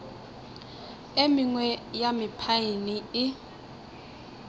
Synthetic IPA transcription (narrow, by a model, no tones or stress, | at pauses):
emɪŋwɛjamɪpʰainiɪ